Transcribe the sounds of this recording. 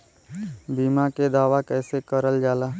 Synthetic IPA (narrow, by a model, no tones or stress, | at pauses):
biːmaked̪aːʋakɛːsekəɾəld͡ʒaːlaː